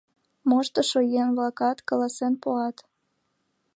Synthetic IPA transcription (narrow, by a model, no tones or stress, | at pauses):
moʃt̪əʃojenβlɑkɑt̪kɑlɑsenpoɑt̪